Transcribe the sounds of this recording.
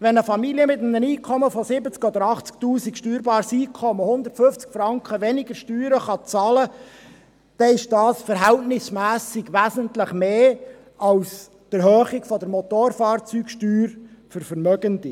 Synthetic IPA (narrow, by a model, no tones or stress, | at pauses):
ʋɛnəfɑmiliəmɪtm̩əniːkʰχɔməfɔsɪbət͡skɔd̪əɾɑχt͡sktuːsikʃtyːɾbɑːɾsiːkʰɔməhʊnd̪ərtfɵft͡skfɾɑŋkχəʋɛnɪɡəɾʃtyːɾəχɑt͡sɑːlə | d̥ɛɪʃd̥ɑːsfəɾɦæltnɪsmæːsɪɡʋæzəntləχmeː | ɑls | d̥əɾɦøːχɪɡfɔdəɾmɔt̪oːɾfɑːrt͡syːkʃtyːɾfəɾfəɾmœɡəndi